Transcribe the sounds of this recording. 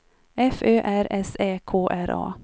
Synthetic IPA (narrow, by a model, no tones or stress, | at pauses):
ɛføːʔæɾɛseːkʰoːʔæɾʔɑ̰ː